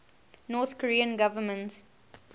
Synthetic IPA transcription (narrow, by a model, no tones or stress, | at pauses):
nɔːt̪kɔɹiə̃nɡavəmə̃nt